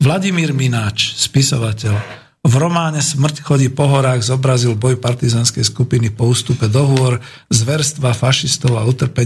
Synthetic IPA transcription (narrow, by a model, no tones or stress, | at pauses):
ʋlaɟimiːɾminaːt͡ʃspisɔ̰ʋacɛʎ | vɾɔmaːɲɛsmr̩cxɔɟipɔɦɔɾaːɣzɔbɾazilbɔjpaɾt̪izaːnskɛjskupinipɔuːst̪upɛd̪ɔɦʊɔɾ | zʋɛɾst̪ʋafaʃist̪ɔʊaut̪r̩pɛɲ